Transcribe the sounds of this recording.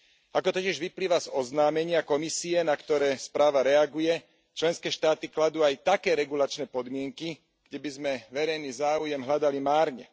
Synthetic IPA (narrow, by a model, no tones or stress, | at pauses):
akɔt̪ɔciʒʋipliːʋazɔznaːmɛɲɪakɔmisiɛnakt̪ɔɾɛːspɾaːʋaɾɛaɡujɛ | t͡ʃlɛnskɛːʃt̪aːt̪iklad̪uajt̪akɛːɾɛɡulat͡ʃnɛːpɔd̪mɪɛŋki | ɡ̥ɟɛbizmɛʋɛɾɛjniːzaːujɛmɦlad̪alimaːɾɲɛ̰